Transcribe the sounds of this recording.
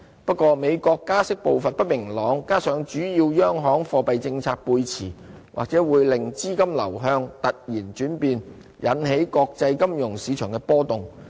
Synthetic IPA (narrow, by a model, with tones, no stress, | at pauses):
pɐ˥t̚kʷɔː˧me˨˧jkɔː˧kːaː˥sɪ˥k̚po˨wfɐ˨n̚pɐ˥t̚mɪ˨˩ŋlɔː˨˧ŋkaː˥sœː˨˥ŋt͡ʃyː˨˥jiː˧wjœː˥ŋɦɔː˨˥ŋfɔː˧pɐ˨jt͡sɪ˧ŋt͡sʰaː˧k̚puː˧jt͡sʰiː˨˩ | wʔa̰ː˨k̚t͡sɛː˨˥wuː˨˧jlɪ˨ŋt͡siː˥kɐ˥mlɐ̰˨˩wɦœː˧ŋt̪ɐ˨t̚jiː˨˩nt͡ʃyː˨˥npiː˧n | jʔɐ˨˥nɦe˨˥jkɔː˧k̚t͡sɐ˧jkɐ˥mjʊ˨˩ŋsiː˨˧˥t͡ʃʰœː˨˩ŋkɛ˧pɔː˥t̪ʊ˨ŋ